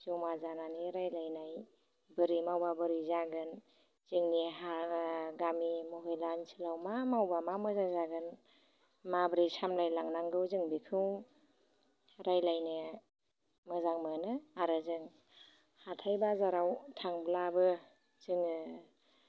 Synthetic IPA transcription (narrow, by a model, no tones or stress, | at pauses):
zuwmazananiɾajlajnaj | bɯɾimawbabɯɾizaɡɯn | z̥ɯŋniɦaɡamimɔɦɯjlansʰilawmamawbamamɯzaŋzaɡɯn | mabɾisamlajlaŋnaŋɡɯwzɯŋbikʰɯw | ɾajlajnɯ | mɯzaŋmɯnɯaɾɯzɯŋ | hatʰajbazaɾawtʰaŋblabɯ | z̥ɯŋɯ